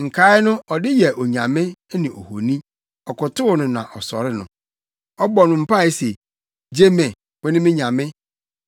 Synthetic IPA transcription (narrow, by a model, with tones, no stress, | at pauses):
ŋ̩˨kʰa˨˦ɪ˦nʊ̃˦ɔ˨dɪ˦jɛ˨ʔo˨ɲã˨mɪ̃˦nɪ̃˨o̰˨ho˨nĩ˦ | ɔ˨kʊ˨tʊ˦ʊ˨nʊ̃˨nã̰˨ʔɔ˨sɔ̰˨ɾɪ˦nʊ̰̃˨ | ɔ˦bɔ˨nʊ̃˨m̩˦pa˦˨e˦se˨ | d͡ʑe˦mẽ˨ | wɛ˦nɪ̃˦mɪ̃˦ɲã˨mɪ̃˦